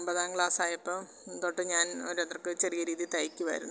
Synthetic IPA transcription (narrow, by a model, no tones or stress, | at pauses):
mbɐðaːŋɡɭaːsaːjɐpːom | t̪oːʈːɨɲaːnoɾent̪rɐkːɨt͡ɕerijɐɾiːðit̪ɐjikʲːuʋɐ̰ːɾunː